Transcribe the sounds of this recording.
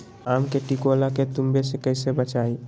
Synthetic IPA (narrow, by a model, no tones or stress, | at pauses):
amkeʈikolaket̪umbesekəɪsebət͡ʃai